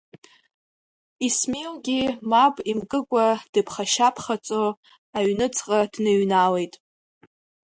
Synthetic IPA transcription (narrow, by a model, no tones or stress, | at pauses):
ismelɡʲimabʼimɡʼɨkʷʼad̥ɨpʰχaʃapʰχat͡sʼo | aɥnɨt͡sʰʼqʼadnɨɥnale̞jtʼ